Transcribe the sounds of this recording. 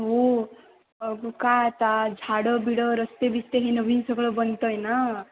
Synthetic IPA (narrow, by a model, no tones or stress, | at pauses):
ɦo | ʌɡukat̪ad͡zʱaɽʌbiɽʌɾʌst̪ebist̪eɦenʌbʱinsʌɡɭʌbʌnt̪ʌjnʌ